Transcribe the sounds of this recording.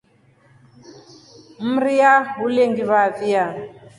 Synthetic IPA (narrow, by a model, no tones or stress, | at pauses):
m̩ɾiaɦuleŋɡiβavia